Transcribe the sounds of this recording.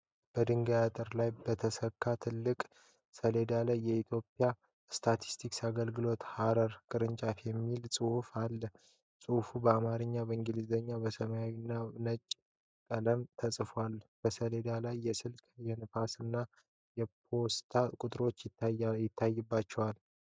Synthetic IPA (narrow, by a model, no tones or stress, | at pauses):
b̥əd̪ɨŋɡajat̪ʼəɾlajbət̪ʰəsəkʰːat̪ʰɨlːɨkʼ | səle̞d̪alajːɛit̪ʰjo̞pʼja | st̪ʰat̪ʰi̥st̪ʰiksaɡəlɡɨlo̞t̪haɾəɾkʼɨɾɨnt͡ʃʼafjɛmːilsʼɨhufalːə | sʼɨhfubəamaɾɨɲːabəɨŋɡɨlizəɲːabəsəmajawinːanət͡ʃʼ | kʼələmt̪ʰəsʼfalb̥əsəle̞d̪alajːɛsɨlkjɛnɨfasɨnːa | jɛpʰo̞st̪ʰakʼʊt̪ʼɨɾo̞t͡ʃːjjɪt̪ʰːajːɨbːat͡ʃːɛwal